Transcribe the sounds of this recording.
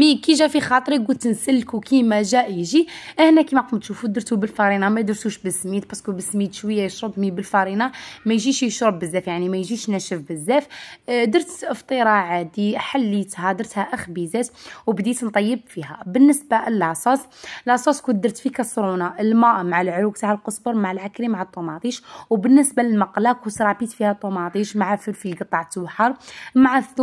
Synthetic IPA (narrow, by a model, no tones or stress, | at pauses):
mikiʒæfixɑt̪ˤɾiɡult̪ənsəlːkuwkimæʒæʔjʒiʔəhnækimækʊmt̪ʃufud̪əɾt̪ubəlfɑɾinɑmæjd̪əɾsuʃbəsmit̪bɑskubəsmit̪ʃwəjːajəʃɾəbmibəlfɑɾinɑmæjʒiʃjəʃɾəbːəzːæfjaʕnimæjʒiʃnæʃəfbəzːæfd̪əɾt̪əft̪ˤəɾˤɑʕad̪iħalːit̪hæd̪əɾt̪hæʔəxbizæt̪wbd̪it̪nt̪ˤɑjːəbfiɦæbənːəsbaʔlʔɑsˤɑsˤlɑsˤɑskud̪əɾt̪fikɑsɾunaʔəlmæʔmaʕalʕɾuɡt̪aʕəlqəsˤbəɾˤmaʕalʕakɾimaʕat̪ˤːumɑt̪ˤiʃwbənːəsbaləlmɑqlækwsɾˤɑbit̪fihæt̪ˤːumɑt̪ˤiʃmaʕafəɾfilɡət̪ˤːɑʕt̪wħɑɾˤmaʕaθu